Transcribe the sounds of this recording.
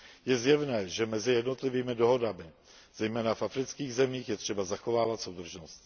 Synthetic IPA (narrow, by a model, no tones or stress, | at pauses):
jɛzjɛvnɛːʒɛmɛzɪjɛdno̞t̪lɪviːmɪdo̞ɦo̞damɪ | z̥ɛjmɛːnafʔafɾɪt͡skiːɣzɛmiːxjɛt̪r̝̥ɛbazaxo̞vaːvat̪so̞wd̪r̩ʒnost̪